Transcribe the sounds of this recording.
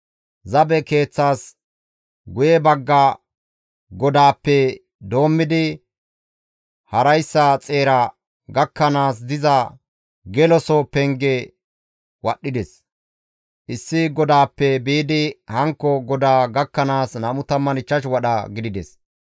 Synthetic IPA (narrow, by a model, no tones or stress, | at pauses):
zɐbɛke̞ːt͡sːaːs | ɡʊjɛbɐɡːɐ | ɡɔd̪aːpːɛ | d̪o̞ːmːɪd̪ɪ | hɐɾɐjsːɐt͡sʼe̞ːɾɐ | ɡɐkːɐnaːs̬d̪ɪzɐ | ɡɛlɔsɔpɛŋɡɛ | wɐɗːɪd̪ɛs | ʔɪsːɪɡɔd̪aːpːɛbiːd̪ɪhɐŋkːɔɡɔd̪aːɡɐkːɐnaːsnɐmʊt̪ɐmːɐnɪt͡ʃːɐʃwɐɗɐɡɪd̪ɪd̪ɛs